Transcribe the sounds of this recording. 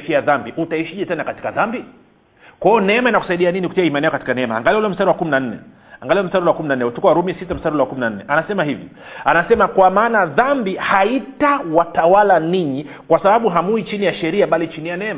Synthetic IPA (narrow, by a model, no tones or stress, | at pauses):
fiaðambiʔutaiʃiʄɛtɛnakati̥kaðambi | kwaɔnɛɛmainaku̥saiɗianiniku̥tiaimanɛɔkati̥kanɛɛma̰a̰ŋɡaliɔulɔm̩staɾɛwakuminan̩nɛ̰ | aŋɡaliɔm̩staɗulwakuminanɛutukwaɾumiasitam̩staɾiulɛwakuminan̩nɛ̰ʔanasɛmaɦivḭ | anasɛmakwamaːnaðambihaitawatawalaniɲi | kwasaɓaɓuɦamuit͡ʃinijaʃɛɾiaɓalit͡ʃinijanɛma